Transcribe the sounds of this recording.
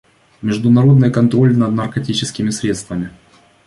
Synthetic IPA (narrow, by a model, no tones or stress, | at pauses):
mʲɪʐd̪ʊnɐɾo̞d̪nɨjkɐnt̪ɾo̞lʲnɐd̪̚nɐrkɐtʲit͡ɕɪskʲɪmʲɪsɾʲe̞t̪st̪vəmʲɪ